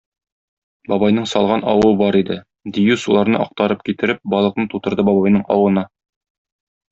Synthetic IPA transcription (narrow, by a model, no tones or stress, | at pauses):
bɒbɑjnɤɴsɒlˠʁɑnɒwɤbɒɾid̪ɘ | d̪ijʉsulˠɑɾnɤ̰ʔɒq̚t̪ɑɾɤp̚kit̪ɘ̆ɾɘp̚bɒlˠɤ̆qnɤt̪ut̪ɤ̆ɾd̪ɤbɒbɑjnɤɴɒ̰wɤ̆nɑ